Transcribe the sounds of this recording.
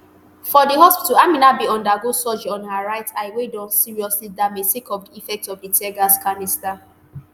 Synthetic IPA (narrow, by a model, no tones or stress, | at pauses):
fɔdiɦɔspituaminabiɔ̃ndaɡosɔd͡ʒɔ̃nhaɹaɪtaɪwedɔ̃nsiɹiɔslidamesekɔfdiifɛk̚tɔfditʰɛɡaskanista